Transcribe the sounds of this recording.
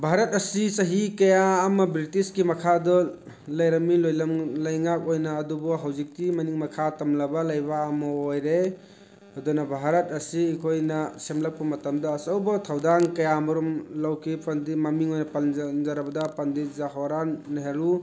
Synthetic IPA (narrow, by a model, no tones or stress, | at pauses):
bʱaɾɐt̚ɐsisɐɦikɐjaːmɐbɾitiskimɐkʰadɔ | lɐjɾɐmilojlɐmlɐjŋak̚ojnɐːdubɔɦawzik̚timɐniŋmɐkʰatɐmlɐbɐlɐjbaːmɔojɾe | ɐdɔnɐbʱaɾɐt̚ɐsiːkʰojnɐsemlɐk̚pɐmɐtɐmdɐːsɐwbɔtʰawdaŋkɐjamɐɾumlawkʰipɐndimɐmiŋojnɐpɐlnzaɾɐbɐdɐpɐndizaɦɔɾanɦeɾu